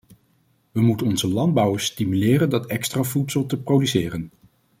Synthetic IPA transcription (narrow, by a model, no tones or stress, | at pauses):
ʋəmutənɔnzəlɑnd̚bʌwəɹstimylɪːrəndɑtɛkstravutsəlˠtəprowdysɪːrən